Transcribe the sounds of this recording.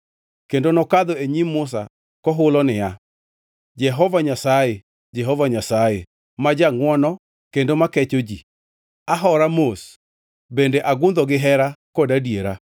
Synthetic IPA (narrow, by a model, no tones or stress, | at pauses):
kendonɔkaðoeɲimːʊs̬a̰ | kɔɦʊlɔnɪja | d͡ʒɛɦɔvaɲasaje | d͡ʒɛɦɔvaɲasaje | mad͡ʒaŋwɔnɔ | kendomakɛt͡ʃod͡ʒi | aɦɔɾamos | bendeʔaɡʊnd̪ɔɡɪɦɛɾakɔdadieɾa